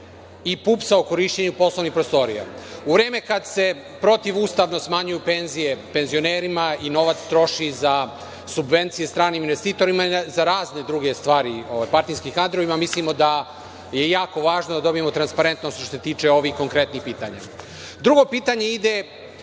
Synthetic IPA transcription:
ipuːpsaoko̞ɾiʃt͡ɕeɲupo̞slˠonixpɾost̪o̞ɾḭja̰uʋɾeːme̞kad̪se̞ | pɾo̞t̪iʋuːst̪aʋno̞smaɲujupenzije̞pe̞nzio̞neːɾimaino̞ʋat̪st̪ɾo̞ʃiza | subʋe̞nt̪sijest̪ɾaːniːminʋest̪iːt̪o̞ɾimazaɾaːzne̞d̪ɾuɡe̞st̪ʋaːɾioʋajpaɾt̪inskikand̪ɾoʋimamislimo̞d̪a | je̞jaːko̞ʋaːʒnod̪ad̪o̞bije̞mo̞t̪ɾanspaɾe̞nt̪nost̪ooset̪iːt͡ʃe̞o̞ʋixko̞ŋkɾe̞t̪nixpiːt̪a̰ɲa̰ | d̪ɾuɡo̞piːt̪aɲe̞id̪e

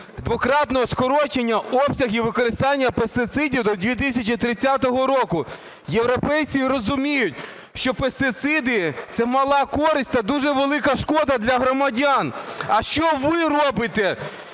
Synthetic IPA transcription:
d̪ʋɔkɾɑt̪nɔɦɔskɔɾɔt͡ʃenʲːɐɔpsʲɐɣiʋɪkɔɾɪst̪ɑnʲːɐpest̪ɪt̪sɪdʲiwd̪ɔd̪ʲʋʲit̪̬isʲɐt͡ʃit̪ɾɪt͡sʲːat̪ɔɦɔɾɔkʊ | jewɾɔpɛjt͡sʲiɾɔzʊmʲijʊt̚ʲ | ʃt͡ʃɔpest̪ɪt̪sɪd̪ɪt̪sɛmɐlˠɑkɔɾɪsʲtʲt̪ɐd̪uʒɛʋelˠɪkɐʃkɔd̪ɐd̪lʲɐɦɾɔmɐdʲanɐʃt͡ʃɔʋɪrɔbɪt̪ɛ

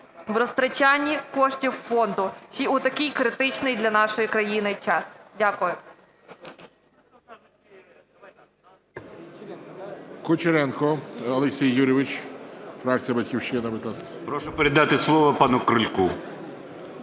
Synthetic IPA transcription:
ʋɾɔst̪ɾɐt͡ʃanʲːikɔʃtʲiwfɔnd̪ʊt͡ʃiʊt̪ɐkijkɾɪt̪ɪt͡ʃnɪjd̪lʲɐnɑʃɔjikɾɐjinɪjt͡ʃɑsdʲakʊjʊ | kʊt͡ʃeɾɛnkɔɐlˠeksʲijːuɾʲɪʋɪt͡ʃfɾɑk̚t͡sʲijɐbɐtʲkʲiwʃt͡ʃɪnɐbɪt̪askpɾɔʃʊpeɾʲɪd̪ɑt̪ɪslˠɔʋɐpɑnʊkɾɪlʲku

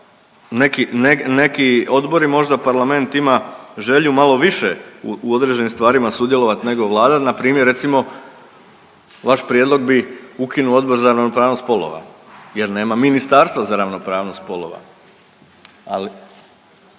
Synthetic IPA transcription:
nekinenekio̞d̪bo̞ɾimo̞ʒd̪apaɾlˠame̞nt̪imaʒe̞ʎumalˠo̞ʋiʃeuuo̞d̪ɾe̞d͡ʒe̞nimst̪ʋaːɾimasud̪je̞lˠo̞ʋat̪ne̞ɡo̞ʋlˠaːd̪at̪napɾiːmjɾːe̞t̪simo̞ | ʋaʃpɾjed̪lˠo̞ɡ̚biukinuo̞d̪bo̞ɾzaɾaʋnopɾaːʋno̞st̪po̞lˠo̰ʋa̰ | je̞ɾne̞ːmaminist̪aːɾst̪ʋazaɾaʋno̞pɾaːʋno̞st̪̚po̞lˠo̞ʋa̰ | ali

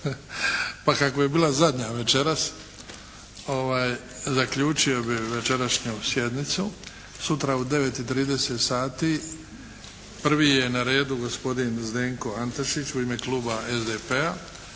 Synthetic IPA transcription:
pakako̞jebiːlazad̪ɲaʋe̞t͡ʃe̞ɾas | o̞ʋaːjzakʎuːt͡ʃio̞biʋe̞t͡ʃe̞ɾaʃɲusje̞d̪nit̪su | sut̪ɾaud̪e̞ʋe̞t̪it̪ɾiːd̪eset̪saːt̪i | pr̩ʋiːje̞naɾe̞ːd̪uɡo̞spo̞d̪inzd̪eːŋko̞ant̪oʃit͡ɕuime̞klˠuːbae̞zd̪epea

